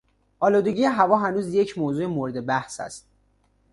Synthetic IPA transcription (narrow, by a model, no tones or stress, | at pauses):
ʔɒːluːd̪eɟijeɦævɒːɦænuːzje̞cʰmoːzuːemoɾed̪e̞bæhsæ̰st̪̚